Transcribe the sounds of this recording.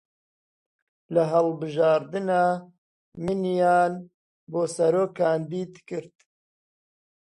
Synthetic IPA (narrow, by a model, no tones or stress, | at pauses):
lɐɦɐlbɨʒɑːɾd̪ɨnɑː | mɨnjɑːn | boːsɐɾoːkʰːaːnd̪iːd̪kɨɾt̪